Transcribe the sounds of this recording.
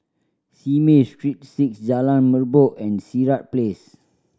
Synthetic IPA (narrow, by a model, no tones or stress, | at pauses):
simestɹit̚siksd͡ʒalãnməboʔɛ̃nsiɹat̚ples